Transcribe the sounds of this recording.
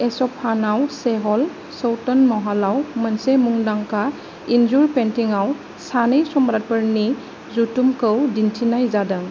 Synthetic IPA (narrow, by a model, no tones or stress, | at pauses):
esɔpʰanawseɦɔl | sɔwtɔnmɔɦalawmənsemuŋdaŋka | inzuɾpentiŋaw | sanɯjsɔmɾat̚pəɾni | zutumkɯwdintʰinajzadɯŋ